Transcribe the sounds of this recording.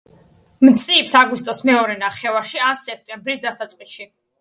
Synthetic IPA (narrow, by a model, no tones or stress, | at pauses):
mt̪sʼiːpsaɡwist̪ʼɔsmɛɔɾɛnaχɛvaɾʃiasɛk̚ʰt̪ʼɛmbɾisd̪asat̪sʼqʼiʃi